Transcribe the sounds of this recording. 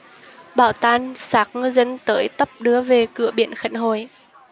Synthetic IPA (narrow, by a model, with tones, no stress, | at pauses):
ɓaː˧˩wt̪aː˧nsaː˨˦˥k̚ŋɨ˧jzə˧nt̪əː˨˦jt̪ə˦˥p̚ɗɨ˨˦əve˨˩kɨ̰˧˩əɓḭ˧˩ənxə˨˧˩nɦo˧˨˩j